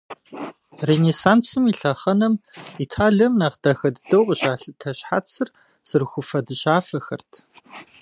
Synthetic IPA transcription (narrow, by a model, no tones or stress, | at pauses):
reneːsaːnt͡sɨmiɬɐχɐnɐmitʰaːɮɐmnaːʁd̥axɐdɨdɐwqəɕʼaːɬɨtʰɐɕħat͡sʰɨr | z̥ɨrxʷʊfɐdɨɕʼaːfɐxɐ̰rtʰ